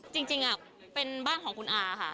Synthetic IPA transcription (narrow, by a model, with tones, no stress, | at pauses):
t͡ɕi˧ŋt͡ɕi˧ŋʔa˨˩ | pe˧nbaː˥˩nkʰɔː˩˦ŋkʰu˧nʔaː˧a˧kʰa˥˩